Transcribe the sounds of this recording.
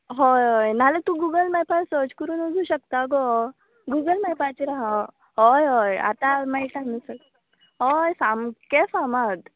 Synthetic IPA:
ɦɔjɦɔjnalət̪ũɡuɡəlmɛpasod͡ʑkəɾuːnuɡuɕək̚t̪aɡɔ | ɡuɡəlmɛpat͡ɕiɾaɦa | ɦɔjɦɔja̰t̪amajʈanəsə | ɦɔjsamkesamad̪

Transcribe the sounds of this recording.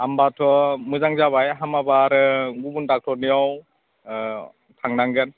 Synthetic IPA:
ambatʰɔmɯzaŋzaβajɦamabaɾɯɡubundak̚tʰɔnijɔw | tʰaŋnaŋɡɯn

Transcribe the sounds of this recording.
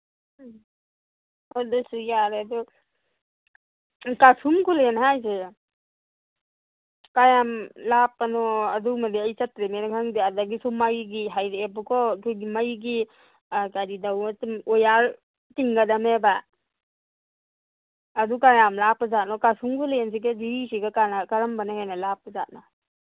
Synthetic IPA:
ɔdɔsɯjaɾeadɔ | kasumkulenɦajsɯ | kajamlapːanɔadumadiajsatɾemenkʰaŋdiadaɡisɔmajɡiɦajɾeepɯkʰɔkʰuɡimajɡi | kaɾidawtɔjaɾ | tiŋɡadameba | ad̪ukajamlapazat̚nɔkasumkulens̬iked͡ʒiisiɡakanakaɾambanahenalapaza̰t̚na

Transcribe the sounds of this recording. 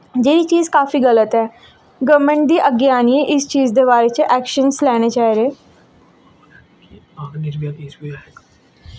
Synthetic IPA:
d͡ʒeːɾiːt͡ʃiːzkaːfiːɡələt̪ɦɛː | ɡəɾmẽɳʈ̚d̪iːʔəɡeaːnieʔɪst͡ʃiːzd̪eːβaːɾeːt͡ʃəʔɛːkʃənslɛːɽ̃eːt͡ʃaːiɾeː | aknɪɾbjaːkɪsweɦɛ

